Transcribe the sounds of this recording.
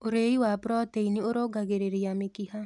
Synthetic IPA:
oɾeiwapɾɔt̪einioɾoɡaɡeɾeɾijamekiha

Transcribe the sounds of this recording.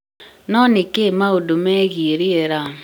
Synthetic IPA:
nɔnɪkemaodomɛɣiɾieɾa

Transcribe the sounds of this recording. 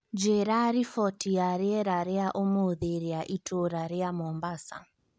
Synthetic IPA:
d͡ʒeɾaɾifɔtiaɾiɛɾaɾɛaʔomoðeɾiaʔitʰoɾaɾɛamɔmbasa̰

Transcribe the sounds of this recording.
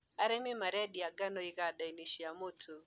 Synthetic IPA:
aɾɛmɪmaɾɛdiaɡanɔɪɡadainiʃiamotʰo

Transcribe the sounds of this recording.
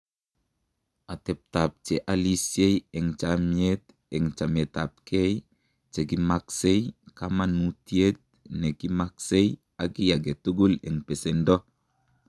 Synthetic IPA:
at̪ep̚tap̚t͡ʃeʔalisjejɛŋt͡ʃamiet | ɛŋt͡ʃametap̚kʰej | t͡ʃeɡimaksejkamanutiet̪̚ | nekimaksej | aɡijaɡetuɡulɛŋpesendo

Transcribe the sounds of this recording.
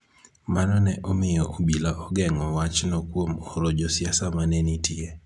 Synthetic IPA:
manɔnɛʔɔmɪjɔʔobilaʔɔɡɛŋɔwat͡ʃnɔkwomɔɾod͡ʒɔsjasamanenitie

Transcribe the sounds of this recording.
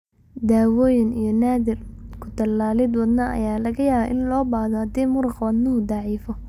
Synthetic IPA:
d̪aːwɔːjɪnḭjɞnaːðɪrkʰʊd̪ɐlaːlɪd̪wɑd̪nɐʔɐ̰jaːlɐɣɐjaːβɐʔɪnlɔːbaːðɔhɐd̪iːmʊɾʊqwɑd̪nɐɦʊd̪ɑʕiːfɔ

